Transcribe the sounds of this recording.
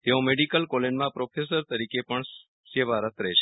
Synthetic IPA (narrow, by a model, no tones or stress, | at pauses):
t̪eõmeɖikəlkolenmãpɾopʰes̬əɾt̪əɾikepəɳ | seʋaɾət̪ʰɾɛt͡ʃʰe